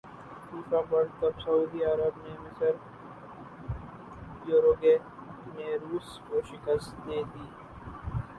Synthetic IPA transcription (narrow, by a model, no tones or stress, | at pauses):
t̪uːfaːbɐɽt̪ɐbsɐuːd̪iːaːɾəbnemɪsɐɾ | joːɾoːɡeː | mẽːɾuːskoːʃɪkəst̪d̪eːd̪iː